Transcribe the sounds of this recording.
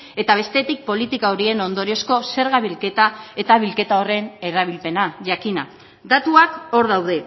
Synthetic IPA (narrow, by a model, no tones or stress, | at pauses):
e̞t̪aβ̞e̞st̪e̞t̪ik̚po̞lit̪ikaoɾie̞no̞nd̪o̞ɾio̞sko̞se̞ɾɣaβilke̞t̪ae̞t̪aβilke̞t̪ao̞re̞ne̞ɾaβ̞ilpe̞naʝakina | d̪at̪uako̞ɾðawðe̞